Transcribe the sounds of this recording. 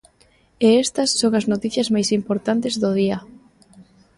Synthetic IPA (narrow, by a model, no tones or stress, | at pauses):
eɛst̪ɐsːoŋɐznot̪iθjɐzmajsimpoɾt̪ant̪ezðʊð̞iɐ